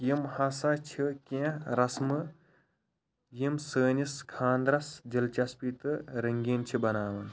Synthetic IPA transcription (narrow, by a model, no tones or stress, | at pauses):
jimhɐsɐt͡ʃʰikʲẽɾɐsmɨ | jimsəːniskʰaːnd̪ɾɐsd͡ʒɐlt͡ʃɐspit̪ɨɾɐŋɡʲeːnt͡ʃʰibɐnaːʋɐn